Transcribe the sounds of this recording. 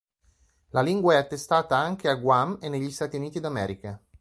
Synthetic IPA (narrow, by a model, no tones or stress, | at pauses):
laliŋɡwaɛat̪ːest̪aːt̪aaŋk̟eaɡwamenːeʎːist̪aːt̪iuniːt̪id̪amɛːɾika